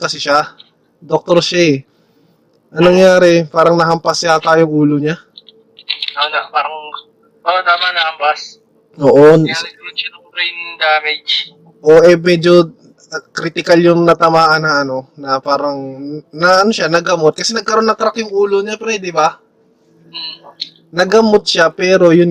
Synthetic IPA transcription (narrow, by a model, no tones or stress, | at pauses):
kɐsɛʃa | d̪ok̚t̪oɾʃa | ʔɐŋnɐŋjaːɾɛpaːɾɐŋnɐɦɐmpɐsʃat̪aːjoŋʔuːloɲa | anɐpaːɾɐŋ | paɾɐŋt̪amanɐhɐmpas | oʔoɡɐonʃɐnɐŋbɾijnd̪aːmɛd͡ʒ | ʔoʔɛmɛːd͡ʒo̞ | kɾit̪ɪkaljʊŋnɐt̪ɐmaːʔɐnɐʔɐno̞nɐpaːɾɐŋnɐʔɐno̞ʃanɐɡɐmot̪̚kɐsɛnɐɡ̚kɐɾo̞nːɐŋt̪ɾakjʊŋʔuːloɲapɾɛd̪ɛbɐ | nɐɡɐmot̪̚ʃapɛːɾo̞jʊn